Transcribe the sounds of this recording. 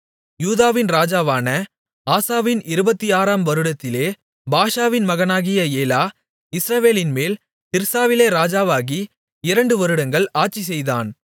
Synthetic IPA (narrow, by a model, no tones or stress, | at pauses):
juːðaːʋɪnɾaːd͡ʒaːʋaːnɐ | aːsaːʋɪnɪɾɯbɐt̪ːiaːɾaːmʋɐɾɯɽɐt̪ːɪleː | baːʂaːʋɪnmɐɣɐnaːɣɪjɐeːlaː | ɪsɾɐʋeːlɪnmeːl | t̪ɪɾsaːʋɪleːɾaːd͡ʒaːʋaːɣi | ɪɾɐɳɖɯʋɐɾɯɽɐŋɡɐɭaːʈ̚t͡ʃːis̬ɛjða̰ːn